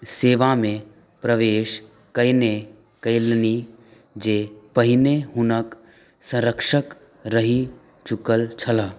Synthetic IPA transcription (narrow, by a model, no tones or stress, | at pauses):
seːʋamẽ | pɾəʋeːʃ | kəɪne | kəɪlni | d͡ʒeːpəɦɪneɦʊnək | sə̃ɾəkʃək | ɾəɦi | t͡ʃʊkəlt͡ʃʰɐlaː